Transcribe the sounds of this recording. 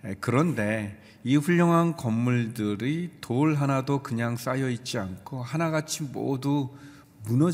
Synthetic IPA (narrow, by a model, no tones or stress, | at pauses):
ekɯɾʌnde̞ | iɸuʎːʌŋɦankʌmːuɭdɯɾitoɭɦanadokɯɲaŋs͈ajʌit̚t͡ɕ͈iankʰohanaɡat͡ɕʰimo̰du | munʌ